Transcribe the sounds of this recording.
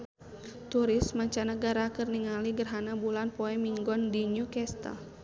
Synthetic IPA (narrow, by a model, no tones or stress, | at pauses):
t̪uɾɪsmaɲt͡ʃanəɡaɾakɨrniŋaliɡərɦanabulanpɔɛmiŋɡɔndiɲukɛst̪a̰